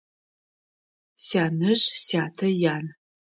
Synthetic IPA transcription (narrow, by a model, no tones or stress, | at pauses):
saːnɨʑsaːtʰɐjaːn